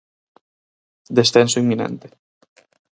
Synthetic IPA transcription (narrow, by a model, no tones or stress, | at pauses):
d̪esθensoimːinḛ̃nt̪e̥